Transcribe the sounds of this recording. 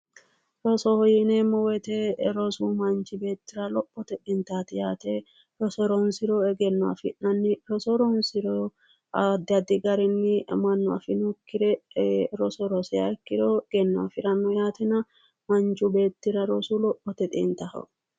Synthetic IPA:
ɾɔsɔhɔjɪnemɔwɛt̪ɛɾɔsuːmɐnt͡ʃɪbe̞ːt̪ːɪɾɐlɔpːɔt̪ɛt̪ʼɪnt̪aːt̪ɪjaːt̪e | ɾɔsɔɾɔnsɪɾɔɛɡɛnːɔɐ̰fɪʔɐnːɪɾɔsɔɾɔnsɪɾɔ | ɐd̪ɪɐd̪ɪɡɐɾɪnːɪmɐnːɔɐ̰fɪnʊkːɪɾɛɾɔsɔɾɔsɛɐɾkːɪɾɔɡ̥ɛnːɔa̰fɪɾɐnːɔjaːt̪ɛnɐ | mɐnt͡ʃʊbe̞ːt̪ːɪɾɐɾɔsulɔpːɔt̪ɛt̪ʼɪ̰nt̪ɐhɐ̰

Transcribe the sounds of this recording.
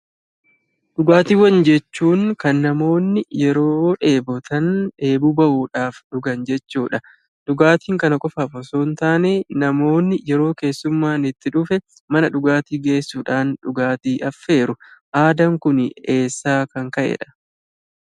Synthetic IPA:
ᶑʊɡaːt̪iːwɐnd͡ʒɛt͡ʃːuːŋkɐnːɐmo̞ːnːɪjɛɾo̞ːᶑe̞ːbɔt̪ɐne̞ːbuːbɐʔuːᶑaːfᶑʊɡɐnd͡ʒɛt͡ʃːuːᶑɐ | ᶑ̪̥ʊɡaːt̪iːŋkɐnɐkʼɔfaːfɔsoːnt̪aːneːnɐmo̞ːnːɪjɛɾo̞ːke̞ːsːʊmːaːnɪt̪ːɪᶑʊfɛ | mɐnɐᶑʊɡaːt̪iːɡe̞ːsːuːᶑaːnᶑʊɡaːt̪iːʔɐfːe̞ːɾʊʔaːd̪ɐŋkʊne̞ːsːaːkɐŋkɐʔɛ̰ᶑɐ̥

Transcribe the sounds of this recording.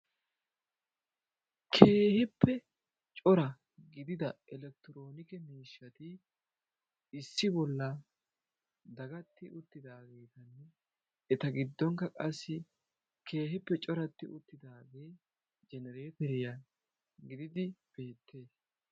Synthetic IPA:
kʰe̞ːhɛpːɛ | t͡ʃʼɔɾɐ | ɡɪd̪ɪd̪ɐʔɛlɛk̚t̪ɪɾo̞ːnɪkɛmiːʃːɐt̪ɪ | ɪsːɪbɔlːɐ | d̪ɐɡɐt̪ːɪʔʊt̪ːɪd̪aːɡe̞ːt̪ɐnːɛ | ɛt̪ɐɡɪd̪ːɔŋkːɐkʼɐsːɪ | kʰe̞ːɦɛpːɛt͡ʃʼɔɾɐt̪ːɪʔʊt̪ːɪd̪aːɡe̞ː | d͡ʒɛnɛɾeːtɛɾɪja | ɡɪd̪ɪd̪ɪb̥e̞ːt̪ʰːe̞ːs

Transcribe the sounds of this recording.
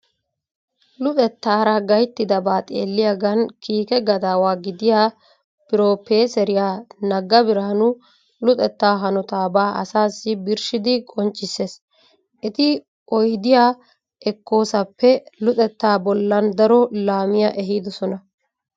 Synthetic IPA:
lʊt̪ʼɛt̪ːaːɾɐɡɐjt̪ːɪd̪ɐbaːt̪ʼḛːlːɪjɐɡɐnkiːkɛɡɐd̪aːwaːɡɪd̪ɪjaː | pɪɾo̞ːpeːsɛɾɪjaːnɐɡɐbɪɾaːnʊ | lʊt̪ʼɛt̪ːaːɦɐnɔt̪aːbaːʔɐ̰saːsːɪbɪɾʃɪd̪ɪkʼɔnt͡ʃʼːɪsːe̞ːs | ʔɪt̪ɪ | ɔjd̪ɪjaː | ʔɛkːo̞ːsɐpːɛlʊt̪ʼɛt̪ːaːbɔlːɐnd̪ɐɾɔlaːmɪjɐʔɛɦiːd̪ɔsɔnɐ

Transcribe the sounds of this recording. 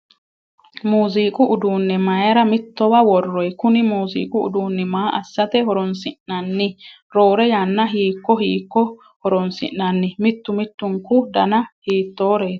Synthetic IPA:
muːziːkʼʊʊd̪uːnːɛmɐjɐɾɐmɪt̪ːɔwɐwɔrːɔjkʊnɪmuːzḭːkʼʊʊ̰d̪uːnːɪmaːʔɐsːɐt̪ɛhɔɾɔnsɪʔːɐnːɪ | ɾo̞ːɾɛjanːɐɦiːkːɔɦiːkːɔ | hɔɾɔnsɪ̰ʔːɐnːɪmɪt̪ːʊmɪt̪ːʊŋkʊd̪ɐnɐhiːt̪ːoːɾeːt̪

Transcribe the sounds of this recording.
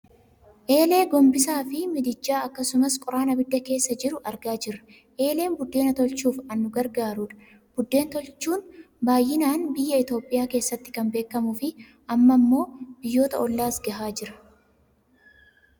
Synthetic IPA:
ʔe̞ːle̞ːɡɔmbɪsaːfɪmɪd̪ɪd͡ʒːaːɐkːɐsʊmɐskʼɔɾaːnɐbɪd̪ːɐke̞ːsːɐd͡ʒɪɾʊʔɐɾɡaːd͡ʒɪɾɐ̥ | ʔe̞ːleːnbʊd̪ːe̞ːnɐt̪ɔlt͡ʃuːfɐnːʊɡɐɾɡaːɾʊᶑɐ̥ | b̥ʊd̪ːe̞ːnt̪ɔlt͡ʃːuːn | baːjːɪnaːnbɪjːɐɪt̪o̞ːpʼɪjaːke̞ːsːɐt̪ːɪ̥kɐmbe̞ːkːɐmʊfɪ | ʔɐmːɐmːo̞ːb̥ɪjːo̞ːt̪ɐɔlːaːsɡɐɦaːd͡ʒɪɾɐ̥

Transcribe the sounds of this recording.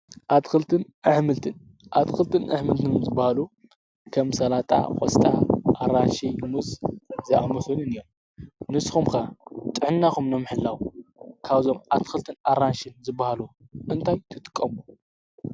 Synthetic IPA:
ʔat̪xɨlt̪ʰɨnʔaħmɨlt̪ʰɨn | ʔat̪xɨlt̪ʰɨnʔɨħmɨlt̪ʰɨnzɨbahalu | kʰɐmsɐlat̪ʼa̰kʼo̰sʼt̪ʼaʔaɾanʃijmuzzɐʔa̰mɨxɨnɨnɨjom | nɨsxumkat̪ʼɨʕɨnːaxumnɐmɨħɨlːawkʰaβzo̞mʔat̪xɨlt̪ʰɨnaɾanʃɨnzɨbːahalu | ʔɨnt̪ʰajt̪ʰɨt̪ʼɨ̥kʼːɐmu

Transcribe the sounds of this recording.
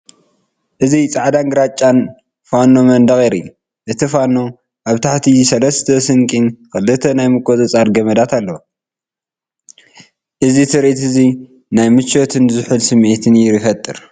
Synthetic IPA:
ʔɨzit͡sʼaʕd̪anɡɨɾat͡ʃʼːan | fanomɐnd̪ɐɣʼeɾḭ | ʔɨt̪ʰifano | ʔaβt̪ʰaħt̪ʰisɐlɐst̪ʰɐsɨŋkʼinkʰɐlːɨt̪ʰːɐnajmɨkʼot͡sʼɐt͡sʼaɾɡɐmɐd̪at̪ʰalːɐ | ʔɨzit̪ʰɨɾit̪ɨzi | najmɨt͡ʃːo̞t̪ʰɨnzɨħɨlsɨmet̪ʰɨnjɪɾɨfɐt̪ʼːɨɾ

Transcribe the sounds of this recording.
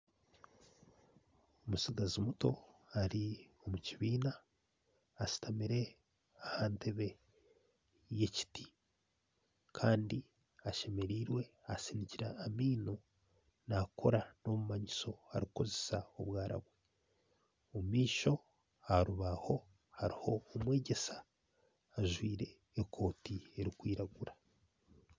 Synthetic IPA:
omusiɡazimuto̞aɾi | o̞muciβiːnaː | si̥tʰamiɾe̞ | ahaːntʰe̞βe̞ | je̞ci̥ti̥ | kʰaːndi | aʃe̞me̞ɾiːɾwe̞asiniciɾaːmiːno̞ | nakʰo̞ɾano̞mumaɲiso̞ha̰ɾiko̞ze̞sao̞̰βwaːɾa̰βwe | omiːʃo̞ | aɾuβaho̞ | haɾiho̞ːmwe̞ːɟe̞sḁː | ʒwiːɾe̞ː | kʰo̞ːtie̞ɾikwiːɾaɡuɾa

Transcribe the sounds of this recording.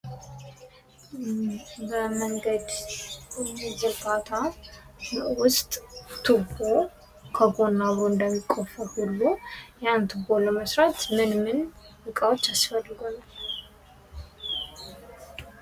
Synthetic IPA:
bəməŋɡəd̪ | zɨɡat̪ʰa | wʊst̪ʼt̪ʰɨbo̞ | kʰəɡo̞nːaβoɨnd̪əmːikʼːofəhulːujant̪ʰɨɡoləməsɾat̪mɨnmɨn | bɨkʼawo̞t͡ʃːasfəlːɨɡonə

